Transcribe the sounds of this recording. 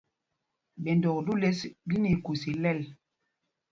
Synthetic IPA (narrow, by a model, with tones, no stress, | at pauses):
bɛ˨ndɔ˨kdu˦le˦sɡi˦ni˨ku˨si˨lɛ˦˨l